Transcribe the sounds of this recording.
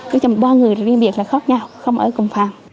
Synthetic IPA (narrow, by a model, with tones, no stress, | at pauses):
ɲɨ˦˥kt͡ɕɔ˧˩mo˨˩ɓɔː˧ŋɨ˨˩əjɾɔ˨˩ɗi˧mɓi˨˩ək̚laː˨˩xɔ˦˥t̚ɲa˧wxə˧wŋ͡mʔə̰ː˧˩kʊ˨˩ŋ͡mfaː˨˩m